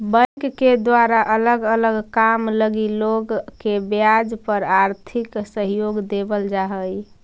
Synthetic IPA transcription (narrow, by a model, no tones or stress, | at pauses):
bənkked̪waɾaʔələɡələɡkamləɡiloɡkebjad͡ʒpəɾaɾt̪ʰiksəɦjoɡd̪ebəld͡ʒaɦəj